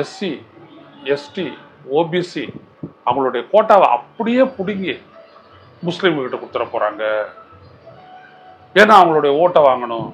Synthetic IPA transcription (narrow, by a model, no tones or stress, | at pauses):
ɛsi | ɛsʈi | oːbisi | ɐʋʊŋɡɐɭoːɽɐjɐkoːʈːaːʋɐ̰ʔɐ̰pːɐɽɪjeːpʊɽɪŋɡi | mʊslɪmkɪʈːɐkʊɽɯt̪ːɪɾɐpoːɾa̰ːŋɡɐ | eːnːaːʋɐŋɡɐɭoːɽɐjɐoːʈːɐʋaːŋɡɐɳʊ̃